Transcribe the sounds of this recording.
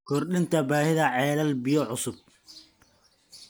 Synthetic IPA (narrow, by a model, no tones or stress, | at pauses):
kʰɔrɗɪnt̪ʰɐbaːhɪðɐʕɛːlɐlbijɔʕʊsʊb̚